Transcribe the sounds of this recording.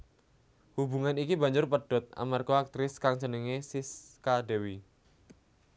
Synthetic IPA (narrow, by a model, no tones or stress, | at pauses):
hubṳŋanikiba̤ɲd͡ʒʊrpəɖ̥ɔ̤t̪̚a̰markoak̚t̪ɾɪskaŋt͡ʃənəŋesiskaɖewi